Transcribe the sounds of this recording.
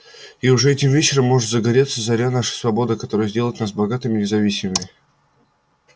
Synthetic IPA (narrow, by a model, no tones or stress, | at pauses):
iʊʐɛɛtʲɪmvʲet͡ɕɪɾəmːo̞ʐɨt̪zəɡɐɾʲet̪səzɐɾʲanaʂɨ̥svɐbo̞d̪ɨkɐt̪o̞ɾəjəzʲdʲelˠəjɪt̪nasbɐɡat̪ɨmʲɪnʲɪzɐvʲisʲɪməmʲɪ